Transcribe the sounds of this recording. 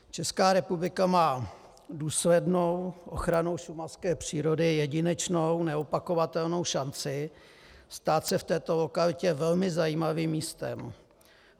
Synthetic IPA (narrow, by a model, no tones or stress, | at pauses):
t͡ʃɛskaːɾɛpublɪkamaː | duːslɛdno̞wʔo̞̰xɾano̞wʃumaskɛːpr̝̥iːɾo̞dɪjɛɟɪnɛt͡ʃnownɛopako̞vat̪ɛlno̞wʃant͡sɪ | st̪aːt̪sɛft̪ɛːt̪o̞lo̞kalɪcɛvɛlmɪzajiːmaviːmːiːst̪ɛ̰m